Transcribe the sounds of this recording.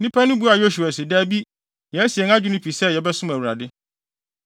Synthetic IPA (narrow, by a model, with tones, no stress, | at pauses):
nɪ̃˦pʰæ˦nʊ̃˦bu˦a˨jo˦ɕu˨a˨sɪ˨da˦bi˦ | jɛ˨æ˦si˨ɛ˨ŋ˦ã˦d͡ʑᶣu˦nʊ̃˦pʰi˨sɛ˦jɛ˨bɛ˦sʊ̃˦mæ˨wu˨ɾa̰˨dɪ˦